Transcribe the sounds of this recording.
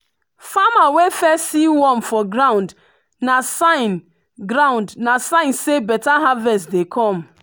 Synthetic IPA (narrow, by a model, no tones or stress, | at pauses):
famawefɛsiwɔ̃mfɔɡɾãʊ̃nd | nasaɪn | ɡɾãʊ̃ndnasãɪ̃nsebɛtaɦavɛstdekʰɔ̃m